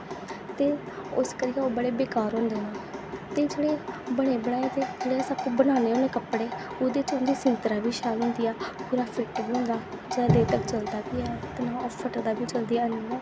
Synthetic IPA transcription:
t̪eː | ʊskəɾɪjaːoːbəɽeːbeːkaːɾɦʊ̃ːnd̪eːnãːt̪eːd͡ʒeːɽeːbəɽ̃eːbəɽ̃aːeːt̪eːd͡ʒeːɽeɛːsəb̚kuːbəñaːneːɦõːneːkəpɽeː | oːd̪eːt͡ʃʊnd̪iːsɪnt̪ɾaːbiːʃaːlɦʊ̃ːnd̪iːaːpuːɾaːpʰɪʈbiːɦʊ̃nd̪aː | d͡ʒad̪eːt̪əkt͡ʃəld̪aːbiːɛːt̪enãːpʰəʈəd̪aːbʱiːt͡ʃəld̪iːaəniːaː

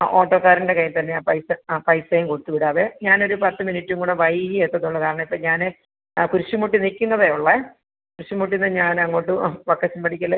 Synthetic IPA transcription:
o̞ːʈːo̞ːkːaːɾinde̞kɐjːɐmt̪ɐnːeaːpɐjsɐpɐjsejumkoɽut̪ːuʋiɽaːʋeɲaːno̞ɾupɐt̪ːɨminitːuŋɡuɽeʋɐjiet̪ːɐðuɭːɐkaːɾɐɳɐmipːoɲaːnɨ | kuɾuɕumuʈːinikʲːunːɐðeuɭːe | kuɾuɕjumuʈ̬ːinːɐðɲaːnɐŋːoːʈːɨʋɐkːɐt͡ɕːumpɐɽʰikʲːɐlːɐ

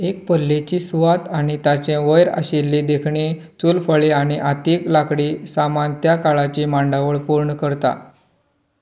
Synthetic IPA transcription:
ek̚pəlːet͡ɕisuʋat̪añit̪at͡ɕẽʋəjɾa̰ɕelːed̪ekʰɳi | t͡sulfəɭeaɽ̃iʔat̪eklakɽisamant̪jakaɭat͡ɕimãɳɖaʋəɭpuɾɳəkəɾt̪a̰

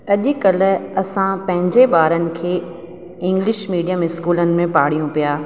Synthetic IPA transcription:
ɐʄʊ̆kɐl̆ɐsãpɐ̃ɦɪ̃ɲd͡ʑeɓaːɾənɪ̆kʰeː | ɪ̃ŋɡlɪʃmiːɖijəmɪskuːlənɪ̆mẽpaːɽ̤ijũpijaː

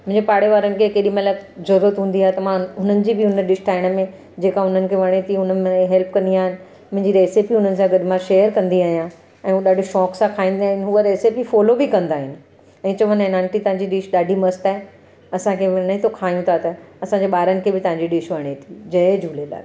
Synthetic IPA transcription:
mʊ̃ɪ̃ɲd͡ʑepaːɽ̤eʋaːɾənɪ̆kʰekeːɗimɐlazɐɾət̪ɦũːnd̪iaːɦet̪ɐmãɦʊn̤ənɪ̆d͡ʑiːbɪʊnəɗɪʃʈʰaːɪɽ̃mẽ | d͡ʑeːkaʊn̤ənɪ̆kʰeʋɐɽ̃et̪ʰiɦʊnmẽɦɛlpkɐ̃nd̪iaːɦɪnɪ̆ | mʊ̃ɦɪ̃ɲd͡ʑiɾeːsepiʊn̤ənɪ̆sãɡɐɗmãʃeːjəɾkɐ̃nd̪iaːɦijã | ɛ̃ːɦũɗaːɖʱiʃɔːksãkʰaːĩːnd̪iaːɦɪnɪɦuəɾeːsipifɔːlobɪkɐ̃nd̪aːɦɪnɪ̆ | ɛ̃ːt͡ɕɐʋənenãːnʈit̪ɐ̃ɦãɲd͡ʑiɗɪʃɗaːɖʱimɐsʈ̪aːɦe | ɐsãkʰeʋnəet̪ʰokʰaːjũt̪ʰat̪ɐɐsãɲd͡ʑeɓaːɾənɪ̆kʰebɪt̪ɐ̃ɦãɲd͡ʑiɗɪʃʋɐɽ̃et̪ʰid͡ʑɐed͡ʑuːlela̰ː

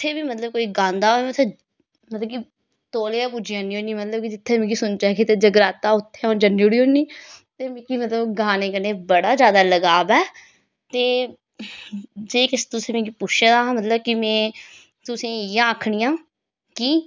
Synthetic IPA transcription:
ɪt̪ʰːeːbiːmət̪ləb̚koːiːɡãːnd̪aːoɛːmət̪ʰː | mət̪ləbki | t̪oːleːãːpud͡ʒɪjãːnĩːõːnimət̪ləb̚kɪd͡ʒɪt̪ʰːeːmẽːɡiːsʊnt͡ʃaːkeːt̪eːd͡ʒəɡɾaːt̪aːʊt̪ʰːeːoːnd͡ʒənːuɽiːoːniːt̪eːmekiːmət̪ləbɡaːneːkəneːbəɽaːzjaːd̪aːləɡaːbɛː | t̪eː | d͡ʒeːkɪst̪ʊsẽːmẽːɡiːpʊt͡ʃʰed̪ãːmət̪ləb̚kɪmɛ̃ː | t̪ʊsẽːjãːəːkʰɽɪjãː | kiː

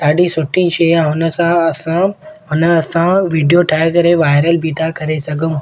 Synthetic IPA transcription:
aːɖĩsʊʈʰːĩʃeːjãɦʊnəsãɐsãɦʊnəɐsãʋiːɖijoʈʰaːjɾkɐɾeʋaːɪɾəlbʱit̪akɐɾesɐɡʱũ

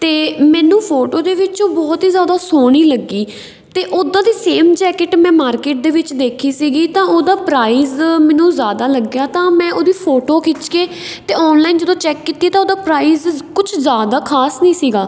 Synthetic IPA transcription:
t̪eːmɛ̃ːnũːpʰoːʈoːd̪eːʋɪt͡ʃõːbɔːt̪ɦiːzjaːd̪aːsoːɽ̃iːləɡːiː | t̪eːʔoːd̪ãːd̪iːseːmt͡ʃɛːkɪʈmɛ̃ːmaːɾkeːʈ̚d̪eːʋɪt͡ʃd̪eːkʰiːsiːɡiːt̪ãːoːd̪aːpɾaːiːzmɛ̃ːnũːzjaːd̪aːləɡjaːt̪ãːmɛ̃ːʔoːd̪iːpʰoːʈoːkʰɪt͡ʃkeː | t̪eːɔːnlaːind͡ʒəd̪õːt͡ʃɛːkːit̪iːeːt̪ãoːd̪aːpɾaːiːzkʊt͡ʃʰzjaːd̪aːkʰaːsnĩːsiːɡaː

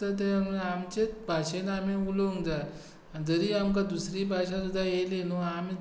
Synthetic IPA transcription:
ət̪̬eməamt͡ɕet͡sbʱaɕenamĩuloŋd͡zat | ad͡zəɾiamk̬ad̪usɾibʱaɕãsud̪ʱajelenoami

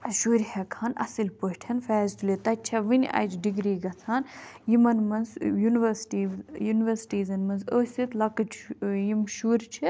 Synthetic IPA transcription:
ʃuːɾʲhekʰaːnɐ̰silʲpəʈʰʲɐnfɛːzt̪ulʲet̪ɐt͡ʃʰɐʋinʲɐ̰d͡ʒɖiɡɾiːɡɐt͡sʰaːnjimɐnmɐnzjuniʋɐɾsʈiːjuniʋɐɾsʈiːzɐnmɐnzoːsit̪lɐkɨt͡ʃjimʃuɾʲt͡ʃʰi

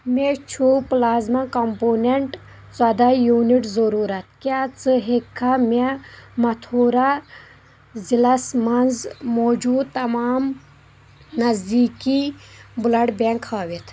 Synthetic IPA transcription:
met͡ʃʰuplaːzmakɐmpoːneɳʈ | swɐd̪ajuːniʈzɐɾuːɾɐt̪kʲaːt͡sɨɦekʰːamemɐt̪ʰoːɾa | zilɐsmɐnzmoːd͡ʒuːd̪̚t̪ɐmaːm | nɐzd̪iːkibulɐɽbeŋkhaːʋit̪ʰ

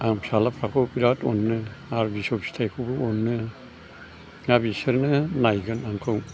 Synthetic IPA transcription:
aŋpsalapʰakʰopiɾatɔnːɯaɾbisɔpsi̥tʰajkʰubɯɔnːɯ | ŋabisɯɾnɯnajɡɯnaŋkʰɯw

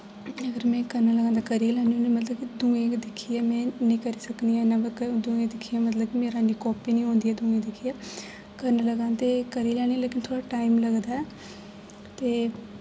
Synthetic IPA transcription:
əɡəɾmɛ̃ːkəɾnaːləɡãːnd̪akəɾiːlɛːniõːnimət̪ləbkid̪ũːẽːd̪ɪkʰːiːɛːmɛ̃ːnĩːkəɾiːsəkniːɛːnaːbəkd̪ũːẽːd̪ɪkʰːiːãːmət̪ləbkimeːɾaːniːkɔːpiːnĩːɦõːnd̪iːɛːd̪ũːẽːd̪ɪkʰiːɛː | kəɾnaːləɡãːt̪eːkəɾiːlɛːñileːkɪnt̪ʰoːɽaːʈaːimləɡd̪aːɛː | t̪eː

